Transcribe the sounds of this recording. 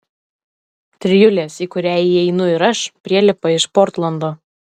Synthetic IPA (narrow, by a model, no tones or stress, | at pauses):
t̪ʲɾʲɪjʊlʲeːsiːkʊɾʲæːjiɛɪnʊɪɾɐʃpʲɾʲiɛlʲɪpɐɪʃpɔɾt̪lˠɐnd̪oː